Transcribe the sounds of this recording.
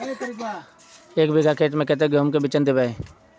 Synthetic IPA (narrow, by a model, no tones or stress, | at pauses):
eːkbeːɡʱaːkʰeːʈmẽːkɛt̪̬eːɡəːmkebɪt͡ʃənd̪ɪbae